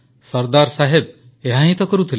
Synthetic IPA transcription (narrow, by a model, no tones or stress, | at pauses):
sɔɾd̪aɾsaɦeb̚ | eɦaɦĩt̪ɔkɔɾut̪ʰil